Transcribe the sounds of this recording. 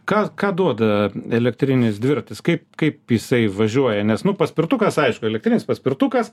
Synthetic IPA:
kɑːkɑːd̪uɔd̪ɐɛlʲɛk̚t̪ʲɾʲɪnʲɪsd̪ʲʋʲɪɾt̪ʲɪskɐɪpkɐɪpjɪsɐɪʋɐʒʲuɔjɛnʲɛsnʊpɐsʲpʲɪɾt̪ukɐsɐɪʃkʊɛlʲɛkt̪ʲɾʲɪnʲɪspɐsʲpʲɪrt̪ukɐs

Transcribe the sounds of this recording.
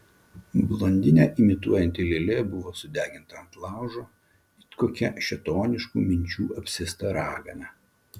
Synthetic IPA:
blˠɔnʲd̪ʲɪnʲæːʔɪmʲɪt̪uɔjɛnʲt̪ʲɪlʲelʲebʊʋoːsʊd̪ʲæːɡʲɪnt̪ɐɐnt̪lˠɑˑʊʒoː | koːkʲɛʃʲɛt̪oːnʲɪʃkṵːmʲɪnʲt͡ʃʲuːɐpʲsʲɪst̪ɐɾɑːɡɐ̰nʲɛ

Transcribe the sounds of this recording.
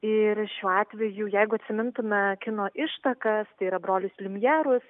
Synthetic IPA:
ɪɾʃʲuːɑːt̪ʲʋʲɛjuːjɛɪɡʊɐt̪ʲsʲɪmʲɪnt̪ʊmʲɛkʲɪnoːʔɪʃt̪ɐkɐst̪ɐɪiːɾɐbɾoːlʲʊsʲlʲɪmʲjæːɾʊs

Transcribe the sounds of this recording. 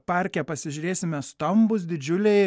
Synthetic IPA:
pɑːˑɾʲkʲɛpɐsʲɪʒʲʊɾʲeːsʲɪmʲɛst̪ɐmbʊs̬d̪ʲɪd͡ʒʲʊlʲɛɪ

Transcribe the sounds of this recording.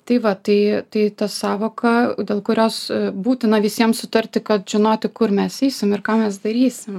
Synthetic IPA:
t̪ɐɪʋɐt̪ɐɪt̪ɐɪt̪ɐsɑːʋoːkɐd̪ʲeːlˠkʊɾʲoːsbuːt̪ʲɪnɐʋʲɪsʲiɛmsʊt̪ɐrʲt̪ʲɪkɐt̪ʒ̥ʲɪnoːt̪ʲɪkʊrmʲɛsɛɪsʲɪmɪrkɑːmʲɛsd̪ɐɾʲiːsʲɪm

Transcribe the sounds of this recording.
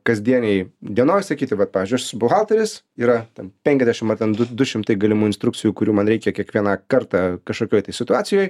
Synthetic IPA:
kɐzʲd̪ʲiɛnʲɛɪd̪ʲiɛnoːjsɐkʲiːt̪ʲɪʋɐt̪̚pɑːʋʲizʲd͡ʒʲʊssbʊɣɑlˠt̪ɐɾʲɪs | iːɾɐt̪ʲɛnpʲɛŋʲkʲɛzʲdʲæɛʃɪmɐt̪ʲɛnd̪ʊd̪ʊʃʲɪmt̪ɐɪɡɐlʲɪmuːɪnst̪ɾʊkt͡s̪sʲɪjuːkʊɾʲuːmɐnɾʲɛɪkʲɛkʲiɛkʋʲiɛnɑkɐɾt̪ɑkɐʃkoːkʲoːjt̪ɐɪsʲɪt̪ʊɑːsʲɪjoːj

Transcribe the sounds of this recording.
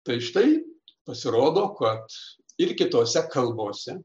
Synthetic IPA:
t̪ɐɪʃɪt̪ɐɪpɐsʲɪɾoːd̪oːkɐt̪ | ɪrkʲɪt̪oːsʲɛkʰɐlˠboːsʲɛ

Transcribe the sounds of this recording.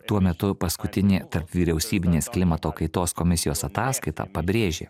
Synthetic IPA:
t̪uɔmʲɛt̪ʊpɐskʊt̪ʲɪnʲeːt̪ɐɾpʋʲiːɾʲɛʊsʲiːbʲɪnʲeːsklʲɪmɐt̪oːkɐɪt̪oːskɔmʲɪsʲɪjoːsɐt̪ɑːskɐɪt̪ɑ̰ːpɐbʲɾʲeːʒʲḛː

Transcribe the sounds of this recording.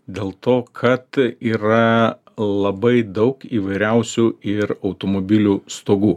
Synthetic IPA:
d̪ʲeːlˠt̪oːkʰɐt̪iːɾɐ | lˠɐbɐɪd̪ɒʊkiːʋɐɪɾʲɛʊsʲuːɪɾɐʊt̪oːmoːbʲɪlʲuːst̪oːɡuː

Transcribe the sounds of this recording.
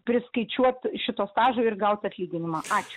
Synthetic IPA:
pʲɾʲɪskɐɪt͡ʃʲuɔt̪ʃʲɪt̪oːst̪ɑːʒoːɪrɡɐʊt̪ɐt̪ʲlʲiːɡʲɪnʲɪmɑɑːt͡ʃʲʊ̥

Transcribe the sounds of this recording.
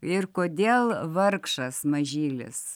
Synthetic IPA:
ɪrkoːd̪ʲeːlˠʋɐrkʃɐsmɐʒʲiːlʲɪ̰s

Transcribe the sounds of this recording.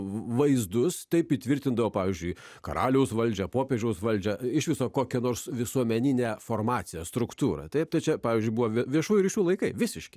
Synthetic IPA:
ʋɐɪzd̪ʊst̪ɐɪpit̪ʲʋʲɪɾʲt̪ʲɪnd̪ɐʋoʊpɑːʋʲɪzʲd͡ʒʲʊɪ | kɐ̰ɾɑːlʲɛʊsʋɐlʲd͡ʒʲɛpoːpʲeːʒʲɛʊsʋɐlʲd͡ʒʲɛɪʃʲʋʲɪsoːkoːkʲɛnoːrsʋʲɪsuɔmʲɛnʲɪnʲæːfoːrmɑːt̪sʲɪjɛst̪ɾʊkt̪uːɾɐ̰t̪ɐɪpt̪ɐɪt͡ʃʲɛpɑːʋʲɪzʲd͡ʒʲʊɪbuʋɐʋʲʋʲiɛʃuːjʊɾʲiːʃʲuːlˠɐɪkɐɪʋʲɪsʲɪʃʲkʲɪ

